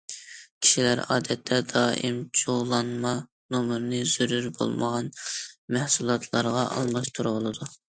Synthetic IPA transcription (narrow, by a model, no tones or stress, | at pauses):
kʲʰi̥ʃilæɾɑ̰ːd̪ɛt̪ʰːɛd̪ɑːʔimd͡ʒʰoʁlˠɑnmɑ | nomɾnɨz̥yɾyɾbo̰lˠməʁɑnmɛhsulˠɑt̪ʰlˠɑɾʁɑʔɑ̰lˠmɑʃt̪ʰuɾolˠɨd̪u